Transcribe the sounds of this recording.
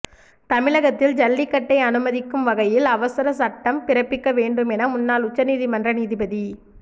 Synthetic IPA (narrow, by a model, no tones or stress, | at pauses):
t̪ɐmɪɭɐɣɐt̪ːɪld͡ʒɐlːɪkːɐʈːɐɪɐnɯmɐðɪkːɯmʋɐɣɐjɪlɐʋɐsɐɾɐsɐʈːɐmpɪɾɐpːɪkːɐʋeːɳɖɯmɛnɐmʊnːaːlʊt͡ʃːɐniːðimɐndrɐniːðɪbɐði